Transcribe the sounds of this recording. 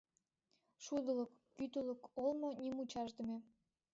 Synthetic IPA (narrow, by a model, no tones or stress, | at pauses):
ʃud̪ə̆lə̆kːyt̪ələkolmonʲimut͡ɕɑʒd̪ə̆me